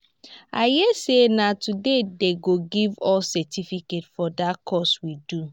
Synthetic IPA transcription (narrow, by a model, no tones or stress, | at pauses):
ajesenatudedeɡoɡivɔsɛtifiketfɔdatkʰɔswidu